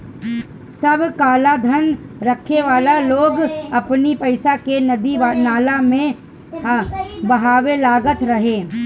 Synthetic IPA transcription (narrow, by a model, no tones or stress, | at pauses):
sɐbʱkaːlad̪ʱənɾəkʰeʋaːlaloːɡɐpnipɐɪsakenɐd̪inaːlamẽ | bɐɦaːwelaːɡət̪ɾɐɦeː